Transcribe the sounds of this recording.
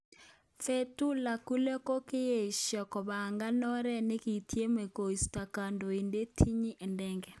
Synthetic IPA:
fe˦tu˦la˨ku˦le˦ko˦kɪ˦je˨ʃjɔ˨kɔ˨βa˨ŋɡa˦nɔ˦ɾɛ˦ne˦ki˨tʰje˦me˨ko˨i˨sta˨ka˨ndo˨e˨nde˦tʰi˦ɲi˦ʔɛ˨ndɛ˦ŋɡɛ˨

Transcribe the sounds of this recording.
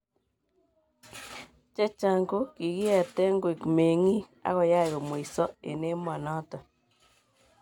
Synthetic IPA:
t͡ʃɛ˦t͡ʃa˨ŋɡo˦ki˨ɣi˦a˨tɛ˦ŋɡwi˨kme˨ŋi˦ | a̰˦ɣɔ˨ja˦˨ɣo˨m˨i˨sɔ˦ḛ˨ne˦mɔ˨nɔ˦tɔ˨

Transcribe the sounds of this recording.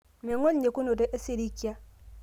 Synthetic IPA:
me˨ŋo˦lɲe˨ku˦no˨de˦ʔa˦si˦˨ɾi˦ki˦a˦

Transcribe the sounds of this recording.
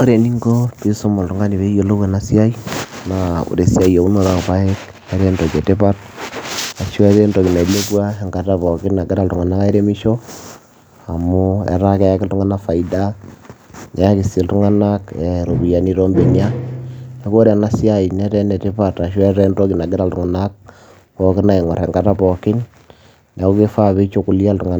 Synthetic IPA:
o˦ɾe˨ni˦ŋɡo˦pi˦so˦mo˨ltu˨ŋa˦ni˨βe˦je˨lo˦e˨na˦sja˦i˦na˨ṵ˨ɾe˨sja˦i˨a˨u˦no˦ɾa˨pa˦e˦k | e˦ɾe˦ndo˨ke˨te˦pa˦t | a˨ʃɛ˦ɾe˦ndo˨ki˨na˨le˦bwa˦e˨ŋɡa˨ta˦βɔ˨kɪ˦na˨ɡɛ˦ɾa˦ltu˨ŋa˨na˦ka˦e˦ɾe˦mi˦ʃo˦ | a˨mu˦ḛ˨ɾa˦kɛ˦ja˦kɪ˦ltu˦ŋa˦na˦fa˨ida˦ | nɛ˨˦a˦kɪ˨si˨ltu˦ŋa˦na˦kɛ˨ɾo˨bi˨ja˨ni˦ɾo˦mbe˨ɲa˦ne˦ko˦ɾe˨na˦sja˦i˨nɛ˦ɾɛ˦nɛ˨tɪ˦pa˦ta˨ʃwɛ˦ɾɛ˦nto˦kɪ˨na˨ɡɪ˦ɾa˨ltu˨ŋa˨na˦k̚ | pɔ˦kɪ˦na˨i˨ŋwɔ̰˨ɾɛ˨ŋɡa˨ta˦pɔ˨kɪ˦n | ne˨ko˦ki˦fa˦βi˦t͡ʃo˦ku˨lja˦ltu˨ŋa˨n

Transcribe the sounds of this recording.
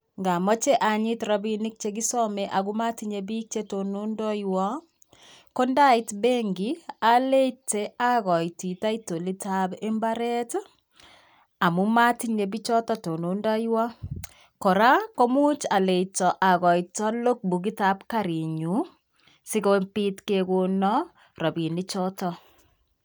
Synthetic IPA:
ŋɡa˨mɔ˦t͡ʃe˦ʔa˨ɲi˦tɾɔ˦bi˨ni˦k̚t͡ʃeɡi˦sɔmeʔa˨ɡu˦ma˦tiɲebi˦k̚t͡ʃe˦to˨nu˦ndɔ˦jwɔ˦ | ko˦nda˦i˦tbe˦ŋɡi˦a˨le˦te˦a˦ɣɔ˨jti˨ta˦ito˨li˦ta˦be˦mba˦ɾɛ˦t | a˨mu˦ma˦tiɲe˨bi˦t͡ʃɔ˦tɔ˦to˨no˨˦ndɔ˦jwɔ˦ | ko˨ɾa˦ko˦mu˦t͡ʃa˨le˨tɔ˨ʔa˨ɣɔ˨jta˦lo˦k̚bu˨ki˦ta˦pka˦ɾi˨ɲu˨˦ | sɪ˦ko˦pi˦tke˨ko˨nɔ˦ | ɾɔ˨bi˨ni˦t͡ʃɔ˦tɔ˨

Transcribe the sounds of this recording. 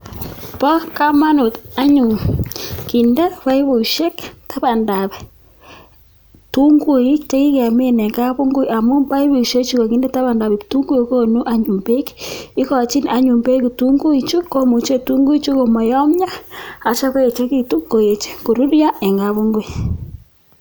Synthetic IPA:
pɔ˦ka˦ma˦nu˨ta˦ɲu˨ŋki˨ndɛ˦βa˦i˦βo˨i˨ʃe˦kta˦βa˨nda˨βɛ˨ | tu˦ŋɡu˦i˦t͡ʃe˦ki˦ka˨me˦˨ne˨ŋɡa˦βo˦ŋɡo˦ia˨mu˦ba˦i˦βo˨ʃe˦t͡ʃi˦kɔ˨ki˨˦ndɛ˦ta˦βa˨nda˨βi˨tu˦ŋɡu˦i˨˦ko˦˨nu˦ʔa˦ɲu˨mbe˦ki˦kɔ˨t͡ʃi˦na˨ɲu˨mbe˦ku˨tu˦ŋɡu˦i˨t͡ʃu˦ko˦mu˨t͡ʃe˦tu˦ŋɡu˦i˦t͡ʃu˦ko˨mɔ˨jɔ˦mɲa˦a˨t͡ʃa˦ko˦je˨t͡ʃe˦ki˦tu˦ko˨je˨t͡ʃe̥˦ko˨ɾu˦ɾja˦e˨ŋɡa˨βo˦ŋɡo˦i˨

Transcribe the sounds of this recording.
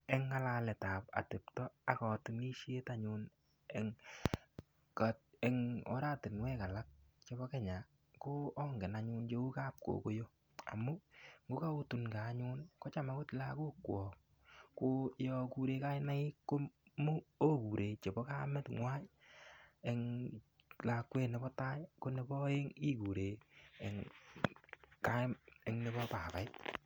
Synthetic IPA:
ɛ˦ŋːa˦la˦lɛ˨taː˨pa̰˨te˨ptɔ˦a˨kɔ˨tɪ˨ni˦ʃe˦ta˦ɲʊ˧n | ɛ˨ŋ | ka˨e˨ŋɔ̰˨˦ɾaː˦tɪ˨nwɛ˦ka˨la˦k̚t͡ʃe˦bɔ˦kɛ˦ɲa˨ | ko˦ɔ˦ŋɡɛ˨na˨ɲʊ˧˦nt͡ʃe˦u˦ka˦p̚ko̰˨ko˦jo˦ | a̰˨mu˦ŋɡo˦ka˦o˦tu˨nka˨˦ɲʊ˦nkɔ˦t͡ʃa˨ma˨ko˦tla˦ko˦kwɔ˨k̚ | ko˦jɔ˧ku˨ɾe˧ka˦ɪ˦na˦ɪ˦ko˦mu˦o˦ku˨ɾʔe˨t͡ʃe˨bɔ˦ka˦mɛ˦tŋwa˦j | e˨ŋ | la˨kwe˦˧nɛ˦bɔ˦ta˦ko˦ne˦bɔ˦e˦ŋi˦ku˨ɾe˨e˨ŋ | ka˦e˨ŋne˦bɔ˦pa˨pa˨ɪ˦t

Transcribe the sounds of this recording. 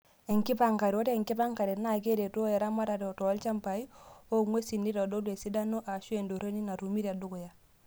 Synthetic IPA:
e˨ŋki˦pa˨ŋka˨ɾi˨wo˦te˦ɛ˨ŋki˦pa˦ŋka˨ɾi˨na˦˨ke˦de˨tu˦jɛ˨ɾa˦ma˦ɾa˨ɾɛ˨ɔ˨tɔ˨a˦lt͡ʃa˦mpa˨i˦o˦ŋwe˦si˨ni˦ɾɔ˨do˦dwe˨si˦da˦no˦ʔa˨ʃu˦e˨ndo˨ɾo˦ni˦na˨ɾu˨mi˦ɾa˨du˦ku˨ja˨

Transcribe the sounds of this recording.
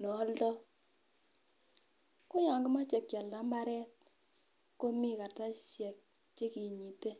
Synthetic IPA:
nɔ˨˦ltɔ˦ | ko˦ɲa˨ŋɡɪ˦ma˦t͡ʃɛ˨kja˨lːa˦mba˦ɾɛ˦t̚ | ko˦mi˦ka˨rta˦ʃɛ˨k̚ | t͡ʃe˦ki˨ɲi˨te˦

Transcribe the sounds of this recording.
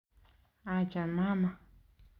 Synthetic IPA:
a˧˨t͡ʃa˨nmã˦ma˨

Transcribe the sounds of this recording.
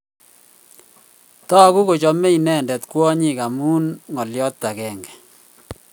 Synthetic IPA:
tɔ˦ku˦ko˨t͡ʃɔ˨mɛ˦i˨nɛ˦˨ndɛ˨t̪kwɔ˦ɲi˨ka˨muː˦nŋɔ˨ljɔ˦t̪ːa˨kɛː˨ŋɡɛ˨

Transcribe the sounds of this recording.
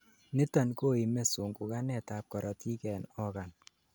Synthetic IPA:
nɪ˦ta˨nko˦i˨mɛ˦su˨ŋɡu˨ka˦nɛ˦˨ta˨p̚kɔ˨ɾɔ˨ti˦kɛ˨nɔ˦ka˨n

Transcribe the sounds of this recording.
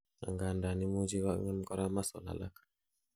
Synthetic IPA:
a̰˨ŋɡa˨nda˨ni˦mu˦d͡ʒi˦wa̰˦ŋa˦m˦kɔ˦ɾa˦ma˦sɔ˨la̰˨la̰˦kḁ

